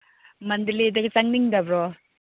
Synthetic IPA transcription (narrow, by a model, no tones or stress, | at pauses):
mɐndilidɐɡit͡ʃaŋniŋdɐbɾɔ